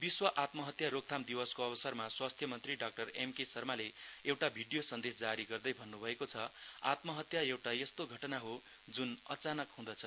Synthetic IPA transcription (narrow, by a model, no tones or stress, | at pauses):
biswʌʔat̪mʌɦʌt̪jaɾok̚t̪ʰamd̪iwʌskoʌbʌsʌrmaswast̪ʰjʌmʌnt̪riɖak̚ʈʌremkesʌrmaleewʈabʱiɖijosʌnd̪esd͡zaɾiɡʌrd̪ʌjbʱʌnːubʱʌekot͡sʰʌa̰t̪mʌɦʌt̪jaewʈajest̪oɡʱʌʈʌnaɦo | d͡zunʌt͡sanʌkɦũd̪ʌt͡sʰʌ